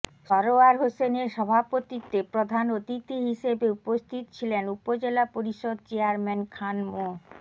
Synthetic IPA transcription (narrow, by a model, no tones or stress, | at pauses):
ʃɔɾoaɾɦoseneɾʃɔbʱapot̪it̪ːepɾod̪ʱanot̪it̪iɦiʃebeupost̪ʰit̪ot͡ɕʰilenupod͡ʑelapoɾiʃod̪̚t͡ɕeaɾmenkʰanmo